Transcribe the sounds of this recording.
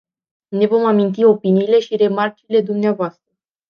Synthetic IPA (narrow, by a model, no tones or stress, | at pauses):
ne̞vo̞mamint̪̬io̞piniːle̞ʃiɾe̞mart͡ʃile̞d̪umneavoast̪ɾə